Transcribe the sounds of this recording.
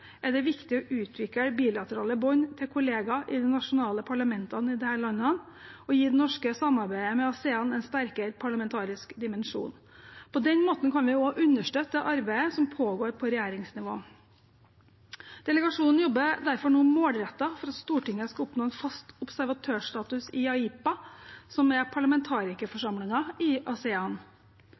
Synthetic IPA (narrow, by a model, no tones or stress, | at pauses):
ʔæɖɛʋɪkt̪ɪɔʔʉːt̪ʰʋɪkəbiːlɑt̪əɾɑ̰ːləbɔnt̪ʰɪlkʰʊleːɡɑʔɪd̪ɛnnɑʂʊnɑːləpʰɑɭɑmɛnt̪ɑnɪd̪ɛhæːɭɑnːə | ɔjiːd̪ɛnɔʂkəsɑmːɑɾbæɪəmɛɑseːɑnɛnst̪æɾkəɾpʰɑɭɑmɛnt̪ʰɑːɾɪskd̪ɪmɛnʂṵːn | pʰɔd̪ɛnmoːt̪n̩kʰɑnʋɪoːʔʉnːəʂʈøːt̪ːəʔɑɾbæɪəsɔmpʰoːɡoːɾpʰɔɾɛjæːɾɪŋsnɪʋo̰ː | d̪̥ɛləɡɑʂuːnn̩jɔbːəd̪æɾfɔɳuːmoːlɾɛt̪ːɑfɔɾɑt̪st̪uːʈɪŋːəskɑʊpnoːɛnfɑst̪ʊbsæɾʋɑt̪ʰøːʂt̪ɑːt̪ʉsɪɑiːpɑsɔmɛpʰɑɭɑmɛnt̪ʰɑːɾɪkəfɔʂɑmlɪŋɑɪʔɑsɛɑn